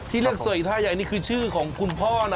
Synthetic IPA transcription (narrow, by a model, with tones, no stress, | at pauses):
t̪ʰiː˥˩li˥˩ək̚su˨˩ji˨˩t̪ʰaː˥˩ja˨˩jniː˥˩kʰɯː˧t͡ɕʰɯː˥˩kʰɔː˩˦ŋkʰu˧npʰɔː˥˩˧n˧